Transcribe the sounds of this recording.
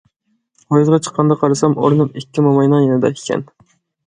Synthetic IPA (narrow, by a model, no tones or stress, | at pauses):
ojzʁɑt͡ʃʰə̥qʰːɑnd̪ɑqʰɑɾɨsɑmoɾnumikʲːimomɑjnɑŋjenɨd̪ɑ̰ikʲʰɛ̰n